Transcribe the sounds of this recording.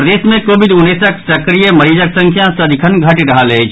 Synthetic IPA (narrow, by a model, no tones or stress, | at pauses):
pɾɐd̪eːsmẽkoːʋɪd̪ʊnːeːsəksɐkɾijemɐɾiːd͡ʒəksə̃ŋkʰjãsəd̪ʱikʰənɡʱɐʈɾɐɦalet͡ʃ